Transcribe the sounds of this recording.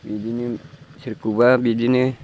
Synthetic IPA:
bid͡ʒinisiɾkubabid͡ʒini

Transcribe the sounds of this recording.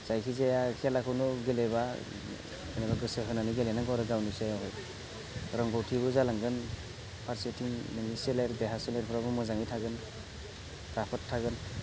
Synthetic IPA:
z̥ajkʰizejakʰijalakʰɯwnɔɡeleba | anɛbaɡɯseɦɯnanɯɡelenaŋɡɔɾɯɡawnɯsajawɦɯj | ɾɔŋɡɔwtʰibɯzalaŋɡɯn | pʰaɾsetʰiŋmeniseleɾbeɦasɔleɾpʰɔɾabɯmɔzaŋitʰaɡɯn | pʰɾapʰɔttʰːaɡɯn

